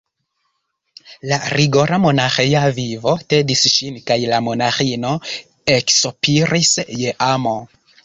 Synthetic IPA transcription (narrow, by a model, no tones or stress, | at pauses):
laɾiɡo̞ɾamo̞naxejavivo̞tedisʃinkajlamo̞naxino̞ | eksopiɾisje̞ʔamo